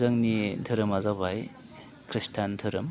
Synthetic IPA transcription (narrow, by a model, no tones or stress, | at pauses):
zɐŋnitʰɯɾɯmazabaj | kɾistʰantʰɯɾɯm